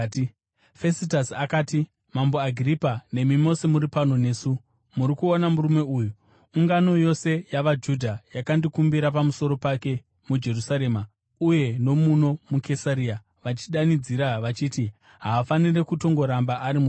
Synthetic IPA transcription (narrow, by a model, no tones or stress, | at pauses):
fe̞sitasakaːti | mamboaɡʱiripane̞mimo̞semuɾipano̞ne̞ːsu | muɾikuonamuɾume̞uːjuː | ŋɡano̞jo̞se̞jaʋad͡ʒudʱajakandikumbiɾap̬amuso̞ɾo̞pake̞ | mud͡ʒe̞rusaɾe̞ːma | uje̞no̞muno̞mukʰe̞saɾia | ʋat͡ʃiɗanid͡ziɾaʋat͡ʃiːti | ɦaːfanire̞kuto̞ŋɡo̞ɾambaʔaɾimu